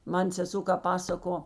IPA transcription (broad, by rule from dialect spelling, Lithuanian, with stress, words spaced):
ˈmɐn sʲɛˈsoː kɐp ˈpɑːsɐkoː